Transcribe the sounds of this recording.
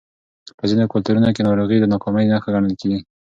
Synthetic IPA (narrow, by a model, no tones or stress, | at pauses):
pəzinokʊlt̪uɾunokenɑɾuɣid̪ənɑkɑməjnaxaɣaɳəlkeɡi